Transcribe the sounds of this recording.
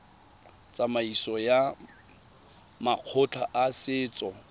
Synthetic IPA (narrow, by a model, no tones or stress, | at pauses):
t͡sʼamaisɔja | maq͡χʰʊt͡ɬʰaʔasɪːt͡sʼɔ